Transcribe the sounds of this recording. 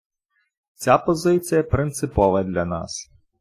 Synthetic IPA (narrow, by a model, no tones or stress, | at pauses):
t͡sʲapɔzɪt͡sʲijɐpɾɪnt̪sɪpɔʋɐd̪ʲlʲɐnɑ̰s